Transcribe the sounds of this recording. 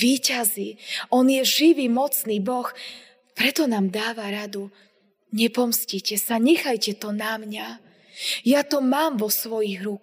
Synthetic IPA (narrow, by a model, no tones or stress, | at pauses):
iːcaziɔnjɛʒiʋimɔt͡sniːbɔx | pɾɛt̪ɔnaːmd̪aːʋaɾad̪u | ɲɛpɔmscicɛsaɲɛxajcɛt̪ɔnamɲa | jat̪ɔmaːmʋɔsʋɔjiɣɾuk